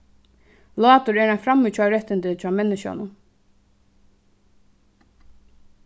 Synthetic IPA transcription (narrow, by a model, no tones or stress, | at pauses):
lɑːt̪ʊɹɛːɹanfɾamːit͡ʃʰɔːɾɛt̪ːɪnt̪ɪt͡ʃʰɑːmɛnːɪʃa̰nʊ